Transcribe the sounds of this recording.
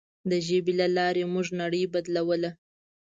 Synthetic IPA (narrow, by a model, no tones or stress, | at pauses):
d̪əʒebelalɑɾemʊʐnaɽəjbad̪lawəla